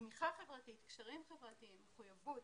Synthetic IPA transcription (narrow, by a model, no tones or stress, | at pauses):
miχaχe̞vʁatit̪kʃaʁimχevʁat̪iimːeχujavut